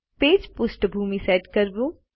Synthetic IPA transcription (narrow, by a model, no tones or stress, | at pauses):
peːd͡ʒpʊsʈbʱuːmisɛːʈkɐɾbũː